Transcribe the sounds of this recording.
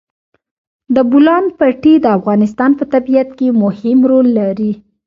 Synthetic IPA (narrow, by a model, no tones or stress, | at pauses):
d̪əbʊlɑnpaʈid̪əafɣɑnɪs̬t̪ɑnpət̪abijat̪kemʊhɪmɾolːaɾi